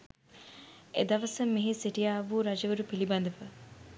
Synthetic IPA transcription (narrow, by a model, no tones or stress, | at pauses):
ḛd̪ɐʋɐsɐmːiɦisiʈijaːʋuːɾɐd͡ʒɐʋəɾupilibɐnd̪ɐfə